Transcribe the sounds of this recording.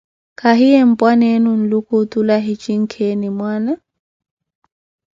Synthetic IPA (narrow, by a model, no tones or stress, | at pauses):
kʰaɦiem̩pʼwanenun̩lukʰʊt̪ʼulaɦit͡ʃʼiŋ̩kʰenɪmwaːna